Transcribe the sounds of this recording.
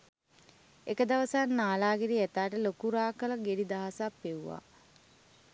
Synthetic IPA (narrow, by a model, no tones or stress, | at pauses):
ekəd̪ɐʋəsaːnːaːlaːɡeɾiæt̪aːʈəlokuɾaːkələɡeɖid̪aɦasapːeuʋa̰ː